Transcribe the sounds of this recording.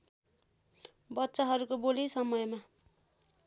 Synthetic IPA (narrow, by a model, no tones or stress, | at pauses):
bʌtːsaɦʌɾukobolisʌmʌjma